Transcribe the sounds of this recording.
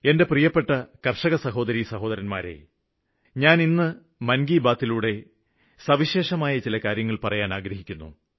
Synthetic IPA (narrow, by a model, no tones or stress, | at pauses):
e̞nde̞prijɐpːe̞ʈːɐkɐrʂɐɣɐsɐɦo̞ːd̪ɐɾisɐɦo̞ːd̪ɐɾɐnmaːɾe̞̰ | ɲaːninːɨ | mɐnɡiːbaːt̪ːiluːɽe̞ | sɐʋiɕe̞ːʂɐmaːjɐt͡ɕilɐkaːɾjɐŋːɐɭpɐrɐjaːnaːɡɾɐɦikʲːunːṵ